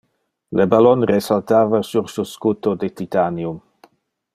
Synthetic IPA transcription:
lebalɔnresalt̪aːvasuɾsuskut̪od̪et̪it̪anjum

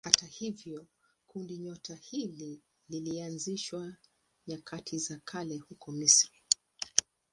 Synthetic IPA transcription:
hatahivjɔ | kundiɲɔtʰahili | lilianziʃwa | ɲakʰatʰizakʰalɛhukɔmisɾi

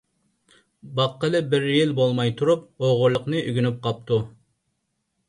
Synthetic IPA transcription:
bɑqːəlˠɨbɪɾjilbolˠmɑjt̪ʰuɾup̚oʁʊɾlːˠəqnɨʔyɡʲynyp̚qʰɑp̚t̪ʰu

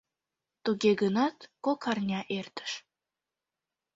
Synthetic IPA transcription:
t̪uɡeɡənɑt̪kokʰɑrnʲɑʔert̪ə̥ʃ

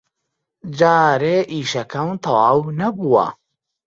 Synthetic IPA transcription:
d͡ʒaːɾeːʔiːʃɐkɐwt̪ʰɐwaːwnɐbuwɐ̰

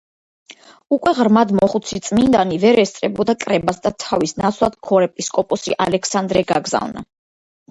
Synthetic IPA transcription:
ukʼwɛʁɾmad̪mɔχut̪sʰit̪sʼmind̪anivɛɾɛst̪sʼɾɛbɔd̪akʼɾɛbasd̪at̪ʰavisnat̪sʰlˠad̪̥kʰɔɾɛpʼiskʼɔpʼɔsḭʔa̰lɛkʰsand̪ɾɛɡaɡza̰vna̰

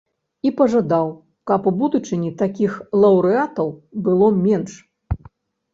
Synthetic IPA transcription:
ipɐʐad̪aw | kɐpubud̪ut͡ʂɨnʲit̪akʲixlˠɐwɾɨat̪ɐwbɨlˠɔmʲɛnʂ

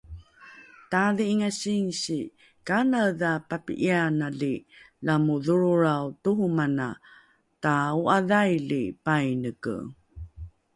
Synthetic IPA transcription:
taðiːŋaɕiŋɕi | kanaðapapḭʔianalilamuðuɾuɾawtuhumana̰ | tauaðajlipajnəkə̰

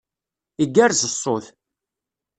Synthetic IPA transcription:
iɡːæɾzəsˤːoθ

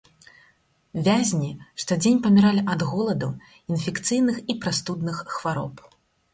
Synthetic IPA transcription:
vʲazʲnʲiʂt̪ɔd͡zʲenʲpɐmʲiɾalʲiʔɐd̪ɣɔlˠɐd̪u | infʲɛkt̪sɨjnɨxipɾast̪ud̪nɨxːvaɾɔp

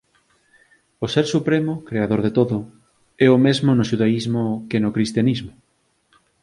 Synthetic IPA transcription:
oseɾsupɾemʊkɾeaðoɾðet̪oðʊ | ɛomezmonoʃuðaizmokenokɾist̪janizmo

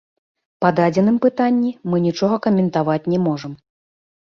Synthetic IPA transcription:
pad̪ad͡zʲɛnɨmpɨt̪anʲːimɨnʲit͡ʂɔɣɐkɐmʲɛnt̪avat͡sʲnʲɛmɔʐɐm

